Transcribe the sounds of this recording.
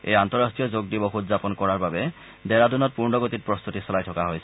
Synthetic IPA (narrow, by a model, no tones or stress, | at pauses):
ḛjantɔɹastʰijɔzoɡ̚dibɔxutzapɔnkɔɹaɹbabɛ | dɛɹadunɔt̚puɹnɔɡotit̚pɹɔst̪utisɔlajtʰɔkaɦojsɛɛ